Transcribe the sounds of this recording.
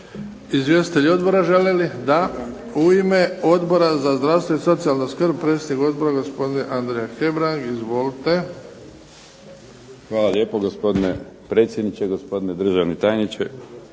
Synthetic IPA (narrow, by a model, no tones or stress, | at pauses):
izʋje̞st̪it̪e̞ʎio̞d̪bo̞ɾaʒelelid̪a | uime̞o̞d̪bo̞ɾazazd̪ɾawst̪ve̞iso̞t̪sialˠnoskrb̚pɾet̪sʲed̪nikod̪̚bo̞ɾaɡo̞spo̞d̪ineʔand̪ɾejaxe̞bɾaŋɡizʋo̞lit̪e̞ | xʋaːlˠaʎʲjeːpoɡospo̞d̪ine | pɾeːt̪sjed̪nit͡ʃeɡospo̞d̪ined̪ɾr̩ʒaʋnit̪aːjnit͡ʃḛ